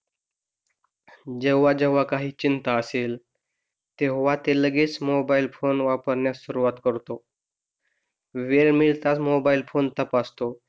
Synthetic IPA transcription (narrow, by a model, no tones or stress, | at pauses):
d͡ʑɛʋːad͡ʑɛʋakaɦiːt͡ɕint̪aəsel | t̪eɦoʋat̪eləɡeːt͡smobailfonʋapəɾɳjasuɾuʋat̪kəɾt̪o | ʋeɾmilt̪at͡smobailfont̪əpast̪o